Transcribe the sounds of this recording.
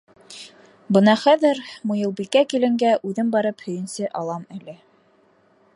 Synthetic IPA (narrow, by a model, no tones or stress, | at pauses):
bɤnɑχæðɘɾmojɤ̆lˠbikækilɘ̆ŋɡæʔʉðɘmbɑɾɤphɵ̆jɘ̆nsɘʔɑlˠɑmælɘ